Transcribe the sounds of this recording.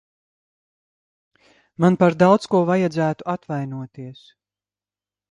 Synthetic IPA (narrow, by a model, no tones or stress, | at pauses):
manpaɾd̪awt̪skuɔvajad̪zæːt̪uat̪vajnuɔt̪iɛs